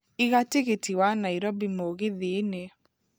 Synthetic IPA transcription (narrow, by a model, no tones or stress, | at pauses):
iɣateɣetiwanaiɾobimoɣeðene